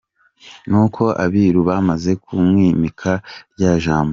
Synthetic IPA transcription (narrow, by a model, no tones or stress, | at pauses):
nukʰo̞ʔaβiɾuβaːmaze̞kʰumŋiːmikʰaɾɟaːʒaːmbo